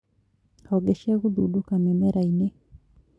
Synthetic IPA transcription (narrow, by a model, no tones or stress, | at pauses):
aoɡeʃeːɣud̪udukamemeɾaine